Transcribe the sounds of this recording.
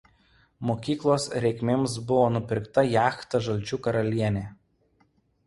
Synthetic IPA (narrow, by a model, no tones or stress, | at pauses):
moːkʲiːklˠoːsɾʲɛɪkʲmʲems̬bʊʋoːnʊpʲɪɾkt̪ɐjæːxt̪ɐʒɐlʲt͡ʃʲuːkɐɾɐlʲiɛnʲeː